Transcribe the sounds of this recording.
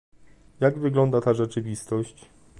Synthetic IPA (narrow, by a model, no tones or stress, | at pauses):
jaɡvɘɡlɔnd̪at̪aʐɛt͡ʂɘvʲist̪ɔɕt͡ɕ